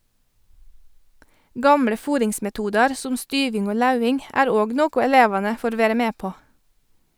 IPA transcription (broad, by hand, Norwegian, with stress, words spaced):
ˈɡɑmɽə ˈfuːɾɪŋsmɛˌtuːdɑɾ ˈsʊm ˈstyːʋɪŋ ˈoː ˈlɑʉɪŋ ˈæːɾ ˈoːɡ ˈnoːkʊ ɛˈleːʋɑnə ˈfoːɾ ˈʋeːɾə ˈmeː ˈpoː